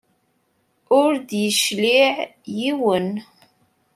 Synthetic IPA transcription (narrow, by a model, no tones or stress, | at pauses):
ʊɾd̪jəʃliʕjiwən